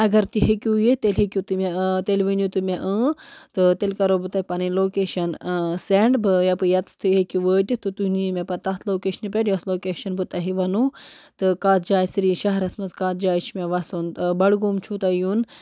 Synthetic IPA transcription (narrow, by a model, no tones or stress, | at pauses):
ɐɡɐɾt̪iɦekʲujet̪elʲɦekʲut̪ɨmʲet̪elʲʋɨnut̪ɨmʲeʔəːt̪ɨt̪elkɐɾobɨt̪ɐipɐniloːkeːʃɐnseɳɖbɨjɐpɨjɐt̪t̪ɨɦekʲuʋəːʈʲit̪ɨt̪uniimʲepɐt̪ɐːt̪ʰloːkeːʃɐnɨpʲeʈjɐsloːkeːʃɐnbɨt̪ɐɦiʋɐnut̪ɨkaːt̪d͡ʒaːjsɾiʃɐɦɐɾɐsmɐzkaːt̪d͡ʒaːjt͡ʃmeʋɐsunt̪ɨbɐɽɡuːmt͡ʃʰut̪ɐjun